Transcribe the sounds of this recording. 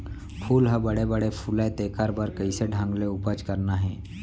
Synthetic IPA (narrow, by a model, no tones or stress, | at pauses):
pʰuːlɦəbəɽebəɽepʰuːlat̪eːkaɾbaɾkəiseɖʱãːŋɡleʊpəd͡ʒkəɾnaɦɛː